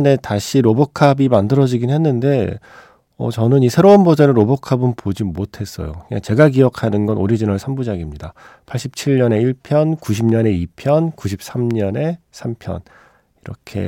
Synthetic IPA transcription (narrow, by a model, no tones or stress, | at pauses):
ne̞taɕʰiɾobokʰabimandɯɾʌd͡ʑiɡinnɦenːɯnde̞ | ʌ̰t͡ɕʌnɯnisʰe̞ɾoɯnbod͡ʑeɾɯɾobokʰabɯnpod͡ʑimotʰe̞s͈ʌ̰jo̰kɯa̰t͡ɕe̞ɡaɡiʌkʰanɯnɡʌnoɾid͡ʑinʌɭsʰambud͡ʑaɡimɲida | pʰaɭɕ͈ip̚t͡ɕʰiɭɲʌne̞iɭpʰjʌnkuɕ̬ʰimɲʌne̞ipʰjʌnkuɕʰip̚s͈amɲʌne̞sʰampʰjʌ̰n | iɾʌkʰe̞̰